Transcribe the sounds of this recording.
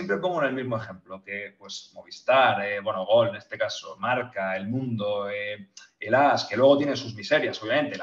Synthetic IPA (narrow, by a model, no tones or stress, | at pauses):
jempɾe̞po̞ŋɡune̞lmizmo̞e̞xe̞mploke̞pwe̞smo̞β̞ist̪aɾebwe̞noɣ̞o̞lene̞st̪e̞kaso̰maɾkae̞lmũnd̪oeelaske̞lwe̞ɣ̞o̞t̪jene̞nsuzmise̞ɾjasoβjamẽ̞nt̪el